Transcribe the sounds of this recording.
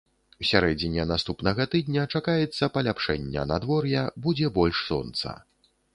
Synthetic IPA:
wsʲaɾɛd͡zʲinʲɛnast̪upnɐɣɐt̪ɨd̪̚ʲnʲɐt͡ʂakajɛt̪sːɐpɐlʲapʂɛnʲːɛ̰nad̪vɔrjɛbud͡zʲɛbɔlʲʂsɔ̰nt̪sɐ̰

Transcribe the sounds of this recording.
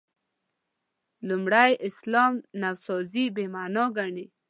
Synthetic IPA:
lumɽajʔɪslɔmnawsɔzibemanoɡaɳi

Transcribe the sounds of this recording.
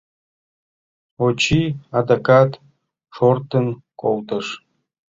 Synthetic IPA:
ot͡ɕiɑd̪akɑt̪ | ʃort̪ənkolt̪əʃ

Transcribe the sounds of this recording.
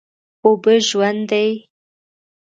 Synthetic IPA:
obəʒwand̪aj

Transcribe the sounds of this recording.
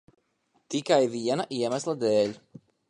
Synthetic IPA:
t̪ikajviɛnaʔiɛmæslˠad̪eːʎʲ

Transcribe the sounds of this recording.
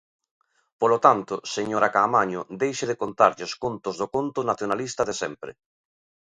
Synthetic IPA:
polot̪ant̪ʊseɲoɾakaːmaɲʊd̪ejʃeðekont̪aɾʎeoskont̪ozðokont̪onaθjonalist̪aðesɛmpɾḛ

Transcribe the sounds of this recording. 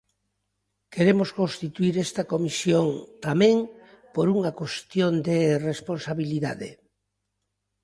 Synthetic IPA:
keɾemoskõnst̪it̪uiɾest̪ɐkomisjoŋt̪amẽŋ | poɾuŋɐkwest̪jond̪eresponsaβiliða̰ðḛ

